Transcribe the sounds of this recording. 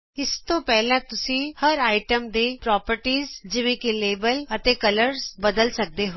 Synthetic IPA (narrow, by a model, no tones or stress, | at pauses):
ɪst̪opɛɦlãt̪ʊsĩhɐɾaːɪʈəmd̪epɾɔːpəɾʈiːzd͡ʒɪʋẽkeleːbəlɐt̪ekɐləɾzbɐd̪əlsɐk̚d̪eɦo